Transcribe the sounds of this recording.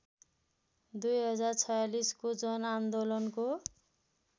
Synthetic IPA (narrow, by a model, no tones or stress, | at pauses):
d̪ujɦʌd͡zart͡sʰʌjaliskod͡zʌnand̪olʌnko